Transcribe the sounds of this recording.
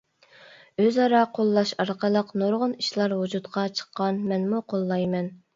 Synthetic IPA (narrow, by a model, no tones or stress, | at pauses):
øzɑɾɑqʰolˠːɑʃɑɾqəlˠəqnoɾʁəniʃlˠɑɾɦud͡ʒut̪qʰɑt͡ʃʰə̥qːɑnmɛnmuqʰolˠːɑjmɛn